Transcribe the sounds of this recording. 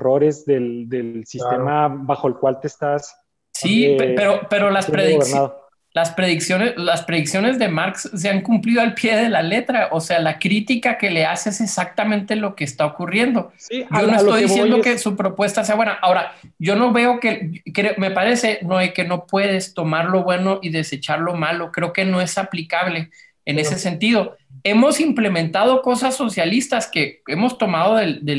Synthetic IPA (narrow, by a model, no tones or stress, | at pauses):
roɾezðeld̪esist̪emabaxoelkwalt̪est̪as | sippeɾo̞pe̞ɾo̞laspɾeðiɣeɾnaðo | laspɾe̞ðiksjo̞nelaspɾe̞ðiksjo̞ne̞zðe̞maɾksːe̞aŋkumpliðo̞alpje̞ðe̞lale̞t̪ɾaʔo̞se̞alakɾit̪ikake̞leaseesesak̚t̪amẽnt̪e̞lo̞ke̞ːst̪ao̞kurje̞nd̪o̞ɟ͡ʝo̞noest̪ojðisje̞nd̪okesupɾopwe̞st̪ase̞aβwe̞naʔao̞ɾaɟ͡ʝo̞no̞βe̞o̞ke̞kɾeome̞paɾe̞se̞noeke̞no̞pwe̞ð̞e̞st̪o̞maɾlo̞βwe̞no̞ʔiðe̞se̞t͡ʃaɾlo̞malo̞kɾe̞oke̞no̞e̞saplikaβle̞ː | ne̞se̞se̞nt̪ið̞o̞e̞mo̞simple̞mẽnt̪að̞o̞ko̞sasːo̞sjalist̪aske̞e̞mo̞st̪o̞mað̞o̞ðeld̪e